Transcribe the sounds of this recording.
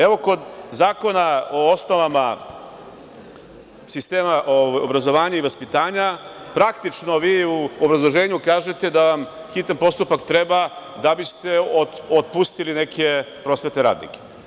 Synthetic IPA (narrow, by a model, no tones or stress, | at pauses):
eʋo̞ko̞d̪zaːko̞nao̞osno̞ʋama | sist̪e̞ːmaʔoʋajobɾazo̞ʋaːɲuiʋaspit̪aːɲa | pɾakt̪it͡ʃno̞ʋiːuobɾazlˠo̞ʒe̞ːɲukaːʒe̞t̪e̞d̪aʋam | xit̪anpo̞st̪upakt̪ɾebad̪abist̪e̞oot̪̚pust̪iline̞kʰe̞pɾo̞sʋe̞t̪ne̞ɾa̰ːd̪nḭke̥